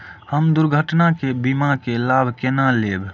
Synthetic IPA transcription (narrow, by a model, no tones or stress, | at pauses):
həmd̪ʊɾɡʱəʈnakebimakelaːbʱkenaleːb